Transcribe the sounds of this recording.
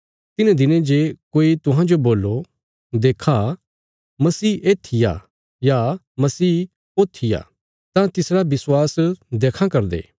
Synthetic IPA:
t̪ɪnẽd̪ɪnẽd͡ʒekoːit̪ʊɦãd͡ʒoboːlːo | d̪eːkʰa | mɐsiːʔeːt̪ʰɪja̰ | ja | mɐsiː | ot̪ʰːɪja̰ | t̪ãt̪ɪsɾabɪswaːsd̪eːkʰãkɐɾd̪ḛː

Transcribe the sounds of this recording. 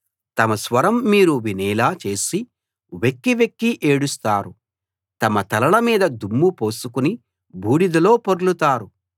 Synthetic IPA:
t̪ɐmɐsʋɐɾɐmːiːɾuʋiniːlaːt͡ʃe̞ːsi | ʋekːiʋekːiʔeːɽust̪aːɾu | t̪ɐmɐt̪ɐlɐɭɐmiːd̪ɐd̪umːupo̞ːsukuni | bʱuːɽid̪ɐlo̞ːpoɾlut̪aːɾu

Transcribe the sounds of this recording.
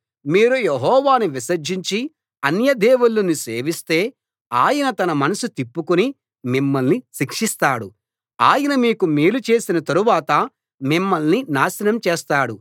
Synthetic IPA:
miːɾujeɦɔːʋaːniʋisɐd͡ʒiɲt͡ʃi | ɐnjɐd̪ɛːʋulːɐniseːʋist̪e̞ː | aːjɐnɐt̪ɐnɐmɐnɐsut̪ipːukuni | mimːɐlniʃikʂist̪aːɽu | aːjɐnɐmiːkumiːlut͡ʃe̞ːsinɐt̪ɐɾuʋaːt̪ɐ | mimːɐlninaːsɐnɐmt͡ʃɛːst̪aːɽu

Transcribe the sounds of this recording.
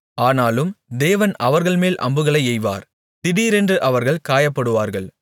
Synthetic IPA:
aːnaːlɯmd̪eːʋɐnɐʋɐɾɣɐɭmeːlʔɐ̰mbɯɣɐɭɐɪɛjʋa̰ːɾ | t̪ɪɽiːɾɛndrɯʔɐʋɐɾɣɐɭkaːjɐpːɐɽɯʋaːɾɣɐɭ

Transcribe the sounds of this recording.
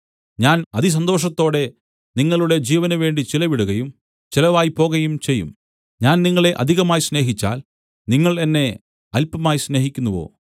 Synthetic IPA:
ɲaːnɐðis̬ɐnd̪o̞ːʂɐt̪ːo̞ːɽe̞ | niŋːɐɭuɽe̞d͡ʑiːʋɐnɐʋe̞ːɳɖit͡ɕilɐʋiɽuɣɐjum | t͡ɕilɐʋaːjipo̞ːɣɐjumt͡ɕe̞jːṵm | ɲaːnniŋːɐɭe̞ʔɐ̰d̪ʱiɣɐmaːjsne̞ːɦit͡ɕːa̰ːl | niŋːɐɭe̞nːe̞ | ɐlpːɐmaːjisne̞ːɦikʲːunːuʋo̰ː

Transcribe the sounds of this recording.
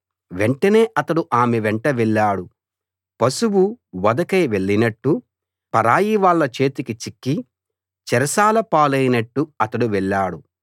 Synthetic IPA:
ʋeɳʈɐne̞ːʔɐt̪ɐɽuʔaːmɛʋɛɳʈɐʋɛɭːaːɽu | pɐsuwuʋɐd̪ɐkɐjʋeɭːinɐʈːu | pɐɾaːjiʋaːɭːɐt͡ʃe̞ːt̪ikit͡ʃikːi | t͡ʃɛɾɐsaːlɐpaːlɐjinɐʈːuɐt̪ɐɽuʋɛɭːaːɽu

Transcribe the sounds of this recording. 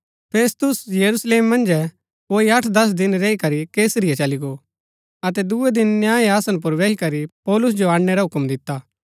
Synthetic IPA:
pʰeːst̪ʊsjɐɾusleːmːɐ̃nd͡ʒɛ | oːiɐʈʰd̪ɐs̬d̪ɪnɾɛːikɐɾikeːsɾɪjɛt͡ʃɐliɡo | ɐt̪ɛd̪uɛd̪ɪnːjaːiaːsə̃np̬ʊɾʋɛːikɐɾipɔːlʊs̬d͡ʒoaːɽnɛɾaɦʊkmd̪ɪt̪ːaː

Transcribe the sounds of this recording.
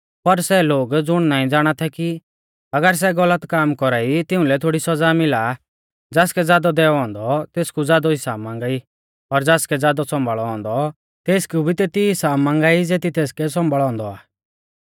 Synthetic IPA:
pɐɾsɛloːɡd͡zʊɽ̃naːĩd͡zaːɽ̃at̪ʰɛki | ɐɡəɾs̬ɛɡɐlət̪kaːmkɔɾaːit̪ɪũlɛt̪ʰoːɽisɐd͡zamɪla | d͡zɛːskɛd͡zjaːd̪ɔd̪ɛːɔɔ̃ːnd̪ɔt̪eːskud͡zjaːd̪ɔɦɪsaːbmãːŋɡaːi | pɔɾd͡zɛːskɛd͡zjaːd̪ɔsɔ̃mbəɭɔɔ̃ːnd̪ɔ | t̪eːskubʱit̪eːt̪iɪsaːbmãːŋɡaːid͡zeːt̪it̪eːskɛsɔ̃mbəɭɔ̃ːnd̪ɔaː

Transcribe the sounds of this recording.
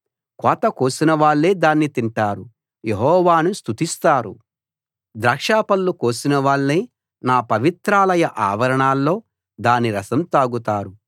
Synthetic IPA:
kɔːt̪ɐkoːsinɐʋaːɭːe̞ːd̪aːnːit̪iɳʈaːɾu | jeɦɔːʋaːnust̪ut̪ist̪aːɾṵ | d̪ɾɐːkʂaːpɐlːukoːsinɐʋaːɭːeː | naːpɐʋit̪ɾaːlɐjɐʔaːʋɐɾɐɳaːlːo̞ː | d̪aːniɾɐsɐmt̪aːɡut̪aːɾu

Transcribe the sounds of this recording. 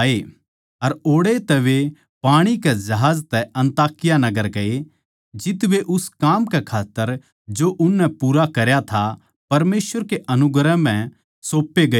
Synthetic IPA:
e | ɐɾoːɽet̪ɛʋe | paːɽ̃ikɛd͡ʒɐɦaːd͡ʒt̪ɛɐ̃nt̪aːkɪjanɐɡəɾkɐe | d͡ʒɪt̪ʋeʔʊskaːmkekʰaːt̪ːəɾ | d͡ʒoʔʊnːɛpuːɾakɐɾjat̪ʰa | pɐɾmeːsʋəɾkeʔɐnʊɡɾɛ̃mɛ̃ | soːpːeɡɐ

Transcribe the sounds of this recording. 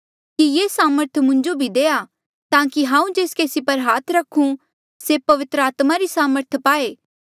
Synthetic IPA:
kijeːsaːməɾt̪ʰmʊ̃ɲd͡ʒobʱid̪eːa | t̪ãːkiɦãːũd͡ʒeːskeːsipɐɾɦaːt̪ʰɾɐkʰũ | sepɐʋɪt̪ɾəaːt̪maɾisaːməɾt̪ʰpaːeː

